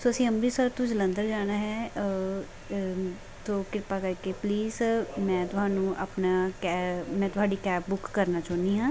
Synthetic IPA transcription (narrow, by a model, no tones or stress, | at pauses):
soːəsĩːəmɾiːsəːɾt̪õːd͡ʒələ̃nd̪əɾd͡ʒaːnaːɦɛː | t̪oːkɪɾpaːkəɾkepliːzmɛ̃ːt̪ʊɦaːnũːʔəpnakɛmɛ̃ːt̪ʊɦaːɖiːkɛːpbʊkːəɾnaːt͡ʃɔːniːɦãː